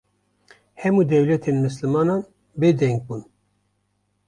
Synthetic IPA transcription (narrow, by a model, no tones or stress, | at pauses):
hɛmuːd̪ɛwlɛt̪ʰeːnmɨslɨmɑːnɑːn | beːd̪ɛŋɡ̚buːn